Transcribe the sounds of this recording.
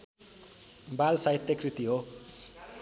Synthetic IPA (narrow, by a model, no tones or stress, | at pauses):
balsait̪ːjekrit̪iɦo